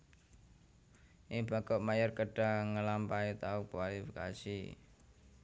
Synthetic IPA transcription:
ʔiŋb̥a̤ɡ̥ɔʔmajərkəɖ̥a̤ŋəlampait̪aukwalifika̰si

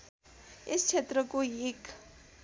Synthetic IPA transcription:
est͡sʰet̪rʌkoek

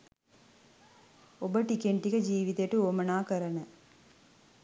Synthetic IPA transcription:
obəʈikeɳʈikəd͡ʒiːʋit̪əjʈuoːmɐnaːkəɾɐnə

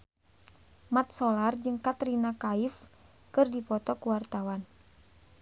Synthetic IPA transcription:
mat̪̚sɔlard͡ʒɨŋkat̪ɾinakaif | kɨrdipɔt̪ɔkuwart̪awan

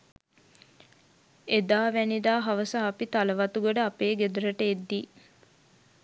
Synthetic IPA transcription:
ed̪aːʋænid̪aːɦaʋəsaːpit̪aləʋat̪uɡəɖəapeːɡed̪əɾəʈəed̪ːi

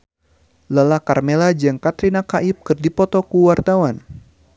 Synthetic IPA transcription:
ləlakarmelad͡ʒɨŋkat̪ɾinakaʔip̚kɨrdipɔt̪ɔkuwart̪awan

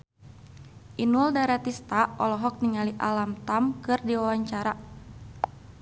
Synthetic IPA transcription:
ʔinɔldaɾat̪ist̪aɔlɔɦɔk̚niŋaliʔalamt̪amkɨrdiwawaɲt͡ʃaɾa

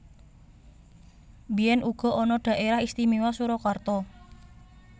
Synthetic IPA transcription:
bijɛnʔuɡ̥ɔ̤ʔɔnɔɖ̥a̤ʔeɾahist̪imiwasuɾɔkwart̪ɔ

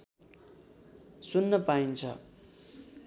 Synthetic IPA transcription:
sunːʌpaint͡sʰʌ̰

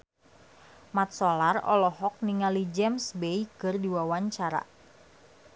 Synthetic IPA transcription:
mat̪̚sɔlarɔ̰lɔɦɔk̚niŋalid͡ʒɛmsbejkɨrdiwawaɲt͡ʃaɾa̰

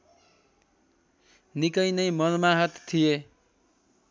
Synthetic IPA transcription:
nikʌjnʌjmʌrmaɦʌt̪t̪ʰːije

